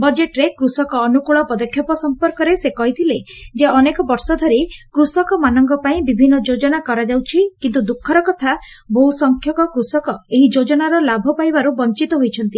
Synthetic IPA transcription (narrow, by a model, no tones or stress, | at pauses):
bɔd͡ʒeʈɾekɾusɔkɔːnukuɭɔpɔd̪ɔkʰjɔpɔsɔmpɔɾkɔɾesekɔɦit̪ʰiled͡ʒeɔnekɔbɔɾsɔd̪ʱɔɾikɾusɔkɔmanɔŋɡɔpaĩbibʱinːɔd͡ʒod͡ʒɔnakɔɾad͡ʒawt͡ʃʰikint̪ud̪ukʰːɔɾɔkɔt̪ʰaboɦusɔŋkʰjɔkɔkɾusɔkɔeɦid͡ʒod͡ʒɔnaɾɔlabʱɔpajbaɾubɔnt͡ʃit̪ɔɦojt͡ʃʰɔnt̪i